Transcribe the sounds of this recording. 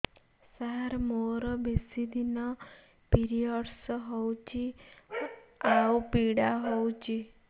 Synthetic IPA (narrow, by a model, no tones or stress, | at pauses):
saɾmoɾɔbesid̪ʱinɔ | piɾiɔɖsɦɔwt͡ʃʰi | awpiɽaɦowt͡ʃʰi